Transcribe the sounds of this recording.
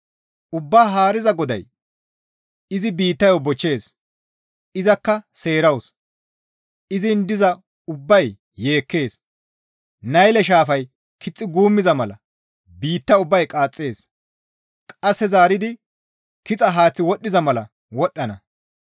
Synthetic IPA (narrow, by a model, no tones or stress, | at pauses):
ʔʊbːaːɦaːɾɪzɐɡɔd̪ɐ̰j | ɪzɪbiːt̪ːɐjobɔt͡ʃːe̞ːs | ɪzɐkːɐse̞ːɾɐws | ɪzɪnd̪ɪzɐ | ʊbːɐjː | e̞ːkːe̞ːs | nɐjlɛʃ̬aːfɐj | kʰɪt͡sʼːɪɡuːmːɪzɐmɐlɐ̰ | biːt̪ːɐʊbːɐjkʼaːt͡sʼːe̞ːs | kʼɐsːɛzaːɾɪd̪ɪ | kɪt͡sʼɐɦaːt͡sːɪwɔɗːɪzɐmɐlɐ | wɔɗːɐnɐ